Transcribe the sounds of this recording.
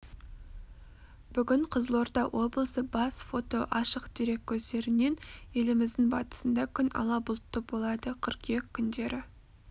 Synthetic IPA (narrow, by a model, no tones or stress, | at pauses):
b̥ʏɡʲɪɴqʰəzəlˠo̞ɾd̪ɑwʔo̞blˠəsəbɑsfo̞t̪o̞ʔɑʃəqd̪̥iɾe̞k̚ʲʰːɵzd̪e̞ɾɪne̞ne̞lɪmɪzd̪ɪŋbɑ̰t̪ə̥sənd̪ɑkʲʰʏnɑ̰lˠɑbʊlˠt̪ːəp̚bo̞lˠɑd̪əqʰəɾqje̞kʲʰːʏnd̪e̞ɾɪ